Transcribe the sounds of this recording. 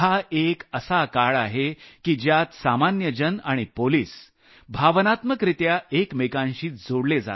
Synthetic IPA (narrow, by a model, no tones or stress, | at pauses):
haʔekəsakaɭaɦekiːd͡ʑjat̪samanjəd͡ʑənaɽ̃ipoliːs | bʱaʋnat̪məkɾit̪jaekmekãnɕiːd͡zoɽled͡za̰t̪